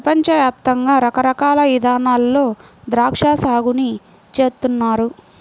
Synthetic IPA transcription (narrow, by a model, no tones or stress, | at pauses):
pɐpɐɲt͡ʃɐʋjaːp̚t̪ɐŋɡaːɾɐkɐɾɐkaːlɐʋid̪ʱaːnaːlːo̞ːd̪ɾaːkʂaːsaːɡuni | t͡ʃe̞ːɾt̪unːaːɾu